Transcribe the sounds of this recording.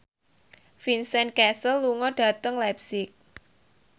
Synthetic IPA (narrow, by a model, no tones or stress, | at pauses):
finsɛnkɛsəlːuŋɔɖ̥ä̤t̪əŋlapsɪk̚